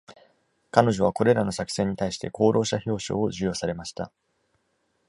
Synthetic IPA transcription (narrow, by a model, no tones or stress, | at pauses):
kano̞ʑo̞βako̞ɾe̞ɾano̞sakɯ̟̥seɲ̟ːit̪aiɕi̥t̪e̞ko̞ːɾo̞ːɕaço̞ːɕo̞̰ːoʑɨjo̞ːsaɾe̞maɕi̥t̪a̰